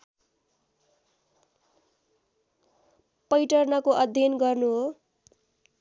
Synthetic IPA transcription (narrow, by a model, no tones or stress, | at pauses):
pʌjʈʌrnʌkoʔʌd̪ʱjʌnɡʌrnuɦo